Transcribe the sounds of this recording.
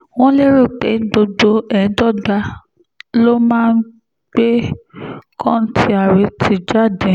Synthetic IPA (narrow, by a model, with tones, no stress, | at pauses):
w̃ɔ̃˦le˦ɾo˦˨k͡pe˨˦ɡ͡bo˧do˧ɛ˨˦dɔ˦˨da˧˦ | lo˦mãː˦˧n̩˦ | ɡ͡be˦ | kʰɔ̃˦n̩˦tʰi˦a˨ɾe˨˦tʰi˧˦d͡ʒa˦˨dɛ̃˨